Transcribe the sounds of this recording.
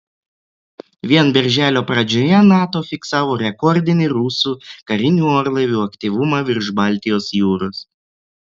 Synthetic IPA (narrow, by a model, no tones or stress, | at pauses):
ʋʲiɛnbʲɛɾʲʒʲæːlʲoːpɾɐd͡ʒʲoːjɛnɑːt̪oːfʲɪksɑːʋoːɾʲɛkɔɾʲd̪ʲɪnʲɪɾuːsuːkɐɾʲɪnʲuːɔːɾlˠɐʋʲuːɐkt̪ʲiːʋʊmɑːʋʲɪɾʒbɑːˑlʲt̪ʲɪjoːsjuːɾʊs